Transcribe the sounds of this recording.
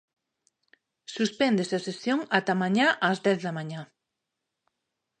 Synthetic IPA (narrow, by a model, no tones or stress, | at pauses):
suspɛnd̪eseasesjoŋat̪amãɲaʔazðɛθðɐmaɲa